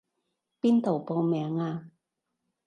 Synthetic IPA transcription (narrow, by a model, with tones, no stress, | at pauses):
piː˥nt̪o˨˩po˧wmɛː˨˦ŋaː˧